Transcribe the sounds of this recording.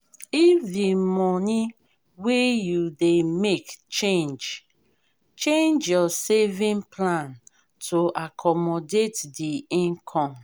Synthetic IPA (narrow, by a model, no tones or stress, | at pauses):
ifdimɔni | wejudemekt͡ʃẽnd͡ʒ | t͡ʃẽnd͡ʒjɔsevĩnplãn | tʰoʔakʰɔmɔdetdiĩnkʰɔ̃m